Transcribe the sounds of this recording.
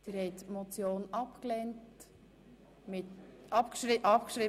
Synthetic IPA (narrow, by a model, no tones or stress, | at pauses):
d̥ɪɾhɛɪtmot͡sjoːnɑpklɛnt | mɪtɑpkʃɾiʔɑpkʃɾiː